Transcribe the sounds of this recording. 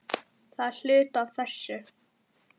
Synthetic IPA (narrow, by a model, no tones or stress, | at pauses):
θaðɬʏːt̪avθɛsʏ